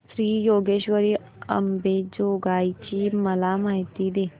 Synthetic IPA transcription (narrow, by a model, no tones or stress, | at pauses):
sɾiːjoːɡeːʃʋəɾi | ɐ̰mbeːd͡ʒoːɡaːit͡ʃimɐlaːmaːɦɪt̪id̪eː